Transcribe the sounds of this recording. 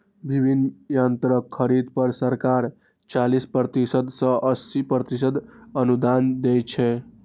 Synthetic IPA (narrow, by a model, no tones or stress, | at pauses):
bibʱinːjənt̪ɾəkʰːəɾid̪pəɾsəɾkaɾ | t͡ʃalispɾət̪isəd̪sə̃ʔəsipɾət̪isəd̪ənud̪and̪ɛjt͡ʃʰɛ